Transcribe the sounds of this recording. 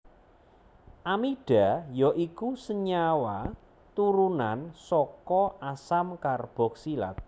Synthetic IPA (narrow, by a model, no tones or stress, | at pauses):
ʔamiɖ̥a̤jɔʔikusəɲawa | t̪uɾunansɔkɔasamkarb̥ɔ̤k̚sila̰t̪̚